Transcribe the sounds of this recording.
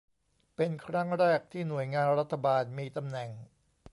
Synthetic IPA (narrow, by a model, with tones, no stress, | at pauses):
pe˧nkʰɾa˦˥ŋɾɛː˥˩k̚t̪ʰiː˥˩nu˨˩əjŋaː˧nɾa˦˥t̪ʰːa˧baː˧nmiː˧t̪a˧mnɛ˨˩ŋ